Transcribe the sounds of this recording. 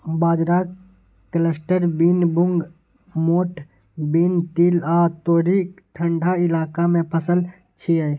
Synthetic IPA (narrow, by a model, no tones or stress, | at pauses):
baːd͡ʒɾak | kələsʈəɾbinbʊŋɡ | moːʈ | bint̪iːlaːt̪oːɾit̪ʰə̃ɳɖʱaɪlaːkamẽpʰəsəl | t͡ʃʰia